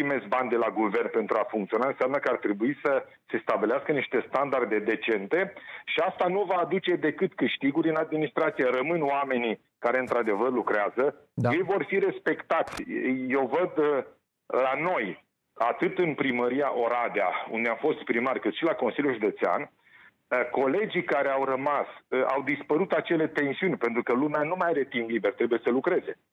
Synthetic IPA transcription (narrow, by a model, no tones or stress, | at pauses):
ime̞sbanʲd̪e̞laɡuve̞rnpe̞nt̪ɾuafuŋkt̪sio̞naɨnseamnəkəart̪ɾe̞buisə | se̞st̪abileaskəniʃt̪e̞st̪and̪ard̪e̞d̪e̞t͡ʃe̞nt̪e̞ʃiast̪anuvaːd̪ut͡ʃe̞d̪e̞kɨt̪kɨʃt̪iɡuɾʲɨnad̪̚minist̪ɾat̪sijeɾəmɨnoame̞ni | kaɾe̞ɨnt̪ɾad̪e̞vərlukɾeazə | je̞jvo̞rfiɾe̞spe̞kt̪at̪sʲjewvəd̪ | lano̞j | at̪ɨt̪ɨnpɾiməɾiaʔo̞ɾad̪ea̰ṵnd̪eamfo̞st̪pɾimarʲkɨt̪ʃilako̞nsilʲjulʒud̪e̞t̪sea̰n | ko̞le̞d͡ʒikaɾe̞awrəmasa̰wd̪ispəɾut̪at͡ʃe̞le̞t̪e̞nsiunʲpe̞nt̪ɾukəlumeanumajaɾet̪ind̪libert̪ɾe̞buje̞səlukɾe̞ze̞